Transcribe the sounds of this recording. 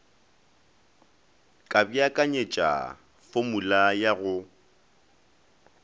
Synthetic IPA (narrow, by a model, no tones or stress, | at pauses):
kʼabiakʼaɲet͡ʃʼa̰ | fomulajaɣʊ